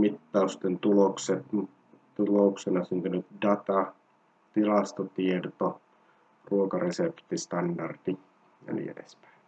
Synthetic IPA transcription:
mit̪ːɑust̪ent̪ulokset̪m | t̪ulouksenɑsynt̪ynyt̪dɑt̪ɑ | t̪ilɑst̪ot̪iert̪o | ruokɑresept̪ist̪ɑndɑrt̪i | ɑ̰nḭḛdḛspæ̥i

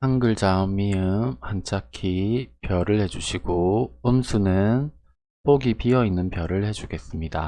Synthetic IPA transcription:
haŋɡɯɭd͡ʑaɯmiɯmhant͡ɕʰakʰipjʌɾɯɭhe̞d͡ʑuɕʰiɡoɯmsʰunɯn | poɡipiʌinːɯnpjʌɾɯɭhe̞d͡ʑuɡe̞s͈ɯmɲida

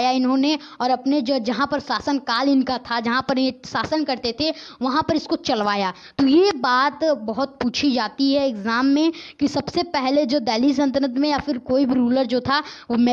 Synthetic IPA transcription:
jaɪnɦõne | ɔːɾɐpned͡ʒoːd͡ʒɐɦãpɐɾsaːsənkaːlɪnkat̪ʰad͡ʒɐɦãpɐɾesaːsənkɐɾt̪et̪ʰeʋɐɦãpɐɾɪskot͡ʃɐlʋaːjaː | t̪ojebaːt̪bɐɦʊt̪̚puːt͡ʃʰid͡ʒaːt̪iɦɛɪkzaːmːẽkisɐbsepɛɦled͡ʒoːd̪ɛːlis̬ɐ̃nt̪ɾət̪mẽjafɪɾkoːibʱiɾuːləɾd͡ʒoːt̪ʰaʋomɛ

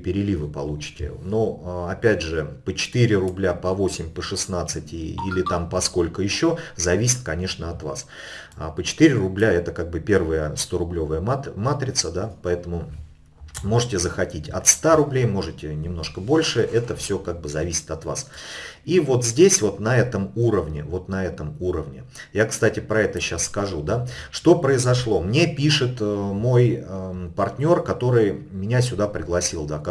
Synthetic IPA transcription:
pʲɪɾʲɪlʲivɨpɐlˠut͡ɕɪ̥tʲɪ̰noɐpʲædʲʐɨpət͡ɕɪ̥t̪iɾʲɪɾʊblʲapɐvo̞sʲɪmʲpəʂɨsnat̪sːɨtʲḭlʲɪt̪ampɐsko̞lʲkəjɪɕːo̞zɐvʲisʲɪ̥t̪̚kɐnʲe̞ʂnəɐt̪vas | pət͡ɕɪ̥t̪ɨiɾʲɪrʊblʲaɛt̪əkaɡ̚bɨpʲe̞rvəjəst̪oɾʊblʲovəjəmamat̪ɾʲɪt̪səd̪apɐɛt̪əmʊ | mo̞ʐɨtʲɪzəxɐtʲitʲɐ̰t̪st̪aɾʊblʲejmo̞ʐɨtʲɪnʲɪmno̞ʂkəbo̞lʲʂɨʔɛt̪əfsʲokaɡ̚bɨzɐvʲisʲɪ̥t̪ɐt̪vasivo̞t̪zʲdʲesʲvo̞t̪nɐɛt̪əmuɾəvnʲɪvo̞t̪nɐɛt̪əmuɾəvnʲɪ̰jakst̪atʲɪpɾɐɛt̪əɕasskɐʐud̪aʂt̪o̞pɾəɪzɐʂlˠo̞mnʲe̞pʲiʂɨt̪mo̞jəpɐrtʲnʲo̞rkɐt̪o̞ɾɨjmʲɪnʲasʲʊd̪apɾʲɪɡlˠɐsʲilˠd̪a

